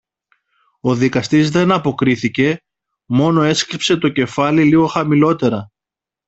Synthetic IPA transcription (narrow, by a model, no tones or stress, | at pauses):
o̞ðikɐst̪izðe̞nɐpo̞kɾiθice̞ | mo̞no̞e̞skɾipse̞t̪o̞ce̞fɐliliɣo̞xɐmilo̞t̪e̞ɾɐ